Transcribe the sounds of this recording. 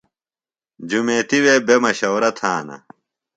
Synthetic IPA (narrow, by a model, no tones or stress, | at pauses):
d͡ʑumeːt̪iweːbemɐɕɐwɾɐt̪ʰaːnɐ̰